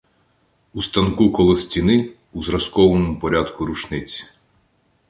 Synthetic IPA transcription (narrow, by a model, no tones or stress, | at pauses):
ust̪ɐnkukɔlˠɔsʲtʲinɪ | uzɾɐskɔʋɔnmupɔɾʲad̪kuɾut͡ʃnɪt͡sʲi̥